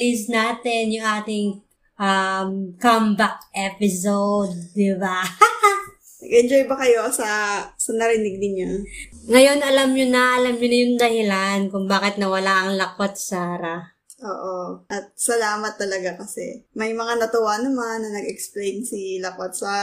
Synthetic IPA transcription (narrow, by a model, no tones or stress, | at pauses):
lisnaːt̪ɛnjʊŋʔaːt̪ɪŋ | ʔamkambak̚ʔɛpɪsowd̪̚ːɪba | nɐɡɛnd͡ʒojbɐkɐjo̞sɐsɐnɐɾɪnɪɡ̚nɪɲjoŋɐjo̞nɐlamɲʊnɐʔɐlamɲʊnɐjʊŋd̪ɐhɪlankʊŋbaːkɪt̪̚nɐwɐlaʔɐŋlɐkot̪̚saːɾɐ | ʔoːʔoʔɐt̪̚sɐlaːmɐt̪ːɐlɐɡakɐsɛ̰mɐjmɐŋanɐt̪ʊwanɐmanːɐnɐɡɛksplejnsilɐkot̪̚saː